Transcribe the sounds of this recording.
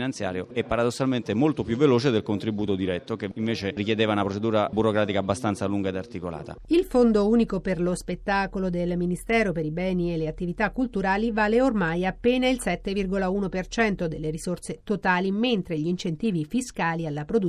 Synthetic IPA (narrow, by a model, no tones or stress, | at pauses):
nant̪sja̰ːɾjoɛpːaɾad̪osːalment̪emolt̪opjuvːeloːt͡ʃed̪elkont̪ɾibuːt̪od̪iɾɛt̪ːokeiɱveːt͡ʃerikjed̪eːvaunapɾot͡ʃed̪uːɾa̰buɾokɾaːt̪ikaːbːast̪ant̪saluŋɡaed̪art̪ikola̰ːt̪a̰ilfond̪ouːnikoperlospet̪ːaːkolod̪elminist̪ɛːɾopeɾibɛːnielːeat̪ːivit̪akːult̪uɾaːlivaːleormajapːeːnailsɛt̪ːevirɡolauːnopert͡ʃɛnt̪od̪elːeɾisorset̪ot̪aːliment̪ɾeʎiint͡ʃent̪iːvifiskaːlialːapɾod̪u